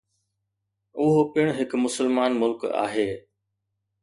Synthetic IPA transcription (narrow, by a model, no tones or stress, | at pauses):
ʊɦopɪɽ̃ɦɪkmʊsəlmaːnmʊlka̰ːɦeː